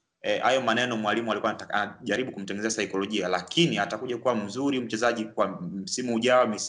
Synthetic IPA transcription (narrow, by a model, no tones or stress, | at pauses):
hajɔmanɛnɔmwalimualikuwaanaʄaɾiɓukum̩tɛŋɡɛnɛzasajkɔlɔʄialakʰiniatakuʄakuwam̩zuɾim̩t͡ʃɛzaʄikwam̩simuuʄaɔmis